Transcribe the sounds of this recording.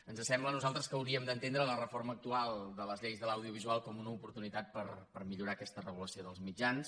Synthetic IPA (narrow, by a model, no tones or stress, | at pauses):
ənzəsɛmblənuzalˠt̪ɾəskəəwɾiəmd̪ənt̪end̪ɾələrəfoɾməːk̚t̪ualˠd̪ələzʎejzðələwðiuβizualˠkɔmunəupuɾt̪unit̪at̪̚pəɾpəɾmiʎuɾaːkɛst̪ərəɣ̞uləsioðəlˠzmid͡ʒans